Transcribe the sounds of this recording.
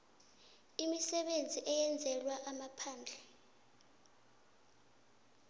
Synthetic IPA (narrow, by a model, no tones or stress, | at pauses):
imisɛɓend͡zʱiʔɛjɛnd͡zʱɛlwaʔamapʰaːnd͡ɮʱɛ